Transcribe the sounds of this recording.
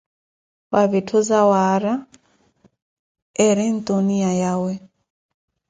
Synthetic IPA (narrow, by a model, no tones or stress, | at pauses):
waβetʰozawaɾa | ɛɾɛn̩t̪oniajawɛ